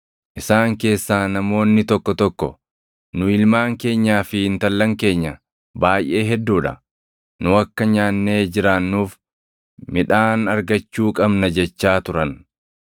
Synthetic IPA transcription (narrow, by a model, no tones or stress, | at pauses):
ʔɪsaːŋke̞ːsːaːnɐmo̞ːnːɪt̪ɔkːɔt̪ɔkːɔ̰ | nʊɪlmaːŋke̞ːɲːaːfɪɪnt̪ɐlːɐŋke̞ːɲːɐ | baːjʔe̞ːɦɛd̪ːuːᶑɐ̰ | nʊɐkːɐɲaːnːe̞ːd͡ʒɪɾanːuːf | mɪᶑaːnɐɾɡɐt͡ʃːuːkʼɐbnɐd͡ʒɛt͡ʃːaːt̪ʊɾɐn